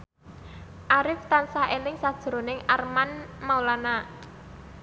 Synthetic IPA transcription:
ʔaɾɪft̪ansaelɪŋsad̥ʒ̥ɾo̤nɪŋarmanmaulana

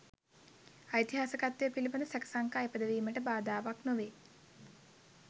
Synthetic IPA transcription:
ajit̪iɦaːsəkat̪ːejəpilibənd̪əsækə̥saŋkaːepəd̪əʋiːməʈəbaːd̪aːʋaknoʋeː

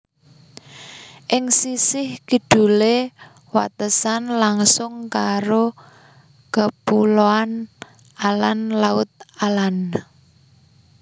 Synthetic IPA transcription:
ʔɪŋsisɪhkiɖ̥ṳle | wa̰t̪əsanlaŋsʊŋkaɾo | kəpuloan | alanlaʊt̪̚alan

